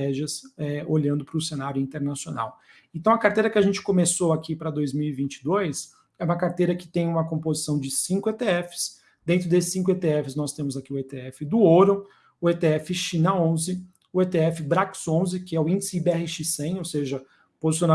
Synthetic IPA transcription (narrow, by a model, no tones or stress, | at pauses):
ɛʒɐsɛolʎɐ̃nd̪ʊpɾʊsenaɾjʊĩnt̪eɾnasiona̰w | ẽnt̪ɐ̃w̃ɐkaɾt̪ejɾɐkɪaʒẽnt͡ʃɪ̥komesoakʰipɾɐd̪ojzmiwivĩnt͡ʃɪ̥d̪ojs | ɛũmɐkaɾt̪ejɾɐkɪ̥t̪ẽj̃ũmɐkõmpozisɐ̃w̃d͡ʒɪsĩŋkʊet̪eɛfɪ̥s | d̪̥ẽnt̪ɾʊd̪esɪ̥sːĩkʊet̪eɛfɪsnɔst̪ẽmʊzakiʊɛt̪eɛfɪd̪ʊoɾɐ̃ | ʊet̪eɛfɪʃĩnɐõzɪ | ʊet̪eɛfɪbɾaksõzɪkɪɛʊĩd͡ʒɪsɪbɛhɪʃisẽj̃owseʒɐ | pozisiona